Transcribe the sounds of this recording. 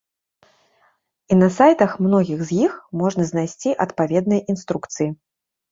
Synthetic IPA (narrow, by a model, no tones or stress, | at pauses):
inɐsajt̪ɐxmnɔɣʲiɣzʲjixmɔʐnɐznajsʲt͡sʲiʔɐt̪pavʲɛd̪nɨjʔinst̪ɾukt̪sɨji